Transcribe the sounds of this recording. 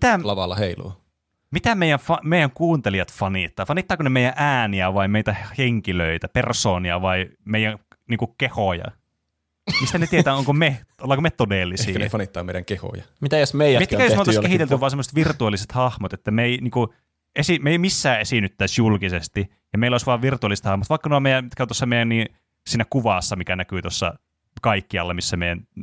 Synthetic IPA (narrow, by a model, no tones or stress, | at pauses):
mit̪ælɑʋɑlːɑheilṵː | mit̪æmeijæfɑmeijˑæŋkuːnt̪eliɑt̪fɑnit̪ːɑːfɑniˑt̪ːɑːkunemeˑijæʔæːniæʋɑimeit̪æhheŋkiløit̪æpersoːniɑ̰ʋɑimeijˑæŋniːŋkukehojɑ̰ | mist̪ænet̪iet̪æːoŋkomeolːɑːkomet̪odeˑlːisḭːefɑnit̪ːɑ̰ːmeijæŋkeho̰jɑmit̪æjæsmeˑijit̪kæj̪mot̪okehiˑt̪elt̪yʋɑːsemːoset̪ʋirt̪uɑlːiset̪hɑhmot̪et̪ːæmeiniːŋku | ʔesimeimisːæːʔesinyt̪ːæˑisjulkisest̪i | jɑmeˑiloˑisʋɑːʋʋirt̪uɑliset̪hɑhmot̪ʋɑˑikːɑnomejæmit̪̚kæont̪osːɑmeijænniː | siːnækuʋɑˑsːɑmikænækyːˑt̪osːɑ̰ | kɑikːiɑ̰lːɑmisːæmeijæn